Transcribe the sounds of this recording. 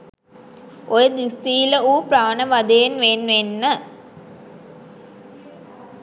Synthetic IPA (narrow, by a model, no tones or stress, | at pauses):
ʔojəd̪isiːləuːpɾaːnəʋɐd̪ejenʋeːnʋenːə